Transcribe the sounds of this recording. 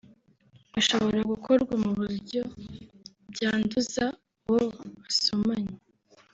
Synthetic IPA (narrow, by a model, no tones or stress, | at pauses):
aʃo̞βo̞ɾaɡukʰo̞ɾɡwamuβuɾɟo̞ | bɟaːnduza | woβasomaɲe